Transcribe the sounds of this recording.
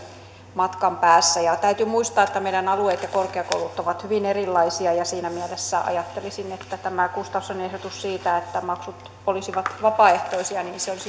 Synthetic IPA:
mɑt̪kɑmpæːsːæjɑt̪æyt̪ymuist̪ɑːet̪ːæmeiɾænɑlueːt̪jɑkorkeɑko̰ulut̪ːoʋɑt̪hyʋinerilːɑisiɑjɑsiːnæmiælesːæʔɑ̰jɑt̪ːelisinet̪ːæt̪æmækust̪ɑusenehdot̪ussiːt̪æet̪ːæmɑksut̪ | olisiʋɑt̪ʋɑpɑeht̪oisiɑniːnseolis

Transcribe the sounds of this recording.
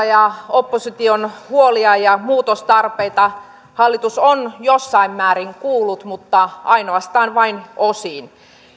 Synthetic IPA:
jɑopːosit̪ionhuoliɑjɑmuːt̪ost̪ɑrpeit̪ɑ | hɑlːit̪usonjosːɑimmæːriŋkuːlːut̪mut̪ːɑɑinoɑst̪ɑːnʋɑinosiːn

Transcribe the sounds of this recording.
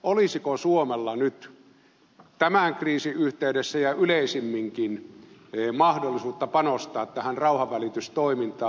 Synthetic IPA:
olisikosuomelːɑnyt̪ | t̪æmæŋkriːsiʔyht̪eydesːæjɑyleˑisimːiŋkin | mɑhdolːˑisuːt̪ːɑpɑnost̪ɑːt̪t̪æhænrɑˑuhɑʋʋælit̪yst̪oimint̪ɑː

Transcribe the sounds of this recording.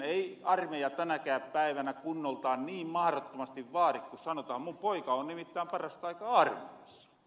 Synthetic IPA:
eiɑrmejɑt̪ænækæːppæiʋænækunːolt̪ɑːnniːmmɑhrot̪ːomɑst̪iʋʋɑːrikkusɑnot̪ɑːmmumpoikɑonnimit̪ːæːmpɑrɑst̪ɑikɑɑrmeeisːɑ̥

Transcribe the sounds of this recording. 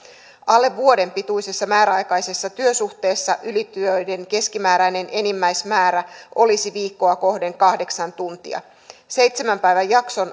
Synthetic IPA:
ɑlːe̞ːuo̞de̞mpit̪ujse̞sːɑmæːɾæɑjkɑjse̞sːɑt̪yøsuht̪e̞ːsːɑʔylit̪yøjde̞ŋke̞skimæːɾæjne̞ne̞nimːæjsmæːɾæʔo̞lisiʋiːkːo̞ɑko̞hde̞ŋkɑhde̞ksɑnt̪unt̪ḭɑ̰ | se̞jt̪se̞mæmpæjʋæjːɑkso̞n

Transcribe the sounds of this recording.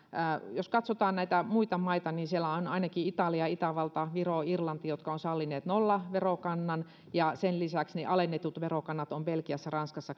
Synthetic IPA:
joskɑt̪sot̪ɑːnnæit̪æmuit̪ɑmɑit̪ɑniːnsielæonɑinɑkiit̪ɑliɑit̪æʋɑlt̪ɑʋiroirlɑnt̪ijot̪kɑonsɑlːineːt̪nolːɑʋerokɑnːɑn | jɑsenlisæksneʔɑlenːet̪ut̪ʋerokɑnːɑt̪omb̥elkiæsːærɑnskɑsːɑ

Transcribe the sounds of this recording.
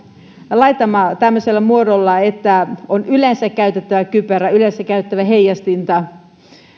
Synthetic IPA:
lɑit̪ɑmɑt̪æmːøselːæmuodolːɑet̪ːæonylensækkæyt̪et̪ːæʋækyperæylensækːæyt̪et̪ːæʋæɦejɑst̪int̪ɑ

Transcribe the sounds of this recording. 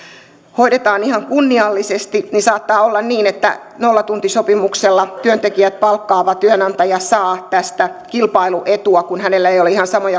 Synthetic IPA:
hoiɾet̪ɑːnihɑŋkunːiɑlːisest̪ininsɑːt̪ːɑːolːɑnniːnet̪ːæ̰ | nolːɑt̪unt̪isopimukselːɑt̪yønt̪ekiæt̪̚pɑlkːɑːʋɑt̪yønɑnt̪ɑjɑsɑːt̪æst̪ækilpɑiluʔet̪uɑkunhænelːæejoleihɑnsɑmojɑ

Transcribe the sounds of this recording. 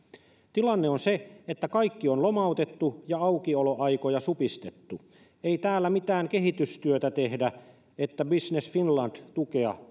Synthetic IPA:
t̪ilɑnːeonseet̪ːækɑikːionlomɑut̪et̪ːujɑɑukioloʔɑikojɑsupist̪et̪ːu | eit̪æːlːæmit̪æːŋke̞ɦit̪yst̪yøt̪æt̪ehdæ | et̪ːæbisnesfinlɑnd̥̪t̪ukeɑ̰

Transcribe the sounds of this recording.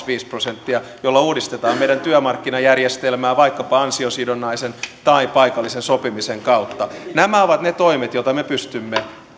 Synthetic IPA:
ʋiːsprosent̪ːiɑjolːɑuːdist̪et̪ɑːmeijɾdænt̪yæmɑrkːinɑjærjest̪elmæːʋɑikːɑpɑɑnsiosidonːɑisent̪ɑipɑikɑlːisensopimiseŋkɑut̪ːɑnæmæoʋɑt̪net̪oimet̪jot̪ɑmepyst̪ymːe

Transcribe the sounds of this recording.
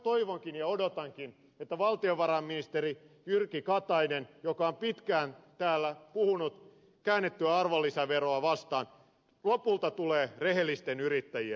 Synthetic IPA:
t̪oiʋoŋkinjɑodot̪ɑŋkin | et̪ːæʋɑlt̪ioʋʋɑɾɑmːinist̪eri | jyrkikɑt̪ɑinenjokɑompit̪kæːnt̪æːlːæpuhunut̪ | kæːnːet̪ːyæɑrʋolːisɑʋeroɑʋɑst̪ɑːn | lopult̪ɑt̪uleːrehelːist̪enyɾit̪ːæjie

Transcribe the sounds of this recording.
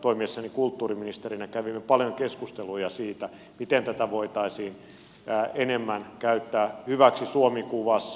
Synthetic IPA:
t̪oimiesːɑnikult̪ːuːriminist̪erinækæʋimːepɑljoŋkeskust̪elujɑsiːt̪æ | mit̪ent̪æt̪æʋoit̪ɑisiːn | æːenemːænkæyt̪ːæːhyʋæksisuomikuʋɑs

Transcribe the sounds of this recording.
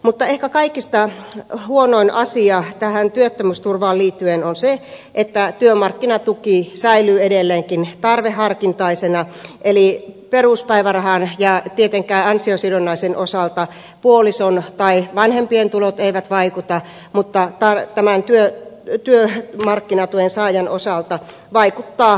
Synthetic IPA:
mut̪ːɑehkækɑikist̪ɑhuonoinʔɑsiɑːt̪æhænt̪yøt̪ːømyst̪urʋɑːlliːt̪ːyenonse | ʔet̪ːæt̪yømɑrkːinɑt̪ukisæilyːedelːeːŋkint̪ɑrʋehːˑɑrkint̪ɑisenɑʔeliperuspæiʋærɑhɑnjɑt̪iet̪eŋkˑæiɑnsiosidonːɑisenosɑˑlt̪ɑ | puolisont̪ɑiʋɑnhempient̪ulot̪eiʋæt̪ʋɑikut̪ɑ | mut̪ːɑt̪ɑrt̪æmænt̪yøt̪yømɑrkːinɑt̪uensɑːjɑnosɑlt̪ɑ | ʋɑikut̪ːɑː

